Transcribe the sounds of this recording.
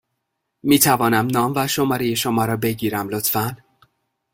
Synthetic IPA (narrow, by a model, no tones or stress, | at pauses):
miːt̪ʰævɒːnæmnɒːmvæʃo̞mɒːɾeje̞ʃo̞mɒːɾɒːbe̞ɟiːɾæmlo̞t̪ʰfæn